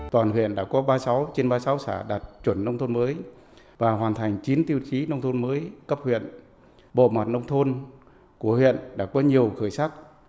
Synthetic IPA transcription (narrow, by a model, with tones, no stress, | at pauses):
t̪waː˨˩nhwḭ˧˨ənɗa̰ː˧˥kɔ˨˦ɓaː˧sa˨˦wt͡ɕe˧nɓaː˧sa˨˦wsa̰ː˧˩ɗaː˨˩t̚t͡ɕwə˧˩nːə˧wŋ͡mt̪ʰo˧nməː˨˦j | vaː˨˩hwaː˨˩nt̪ʰa˨˩jŋ̟t͡ɕi˨˦nt̪i˧ə˧wt͡ɕi˨˦nə˧wŋ͡mt̪ʰo˧nməː˨˦jkə˦˥p̚hwḭ˧˨ən | ɓo̰˧˨ma˨˩t̚nə˧wŋ͡mt̪ʰo˧n | ku˧˩əhwḭ˧˨ənɗa̰ː˧˥kɔ˨˦ɲi˨˩əwxəː˧˩jsaː˦˥k̚